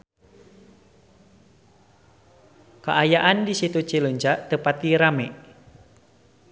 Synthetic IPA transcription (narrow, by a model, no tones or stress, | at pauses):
ka̰ʔajaʔandisit̪ut͡ʃiluɲt͡ʃaʔt̪əpat̪iɾamɛ